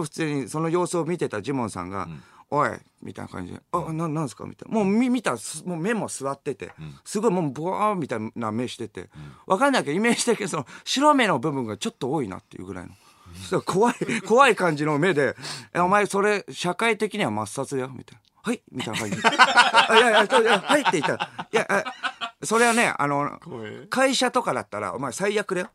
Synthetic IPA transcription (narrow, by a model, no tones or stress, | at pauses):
oɸɯ̟̥t͡sɨːɲ̟iso̞no̞jo̞ːsɨomʲit̪e̞t̪ad͡ʑimõ̞sã̰ŋɡa̰oḛ | mʲḭt̪a̰ḭna̰kã̰ɲ̟d͡ʑid̪ḛanããnsɨ̥ka̰mʲḭt̪amo̞ːmʲimʲit̪aɾsmoːme̞mo̞sɨβat̪ːe̞t̪e̞̰sɨɡo̞imo̞ːboamʲit̪aname̞ɕi̥t̪e̞t̪e̞̰βʔakanːaikeime̞ːd͡ʑi̥t̪ekʲiɲsonoɕiɾome̞no̞bɯ̟bɯ̟̃ŋɡat͡ɕo̞t̪ːo̞oːina̰t̪ːe̞jɯ̟̰ːɡɯ̟ɾa̰ḭno̞ | okʰo̞βaiko̞βaikãɲ̟d͡ʑino̞me̞d̪e̞aomaeso̞ɾe̞ɕakait̪e̞kʲiɲ̟iβamasːat͡sɨd̪ajomʲḭt̪ain | haimʲit̪ajnakaɲd͡ʑiajajat͡ɕojahait̪ːeit̪ajaʔaso̞ɾe̞βane̞̰a̰no̞kaiɕat̪o̞kad̪at̪ːaɾa̰o̞̰maesaijakɯ̟d̪ajo